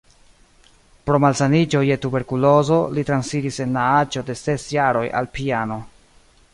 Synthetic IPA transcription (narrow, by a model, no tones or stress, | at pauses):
pɾo̞malsanid͡ʒo̞je̞tube̞ɾkulo̞zo̞litɾansiɾise̞nlaat͡ʃo̞de̞se̞sjaɾo̞jʔa̰lpiano̞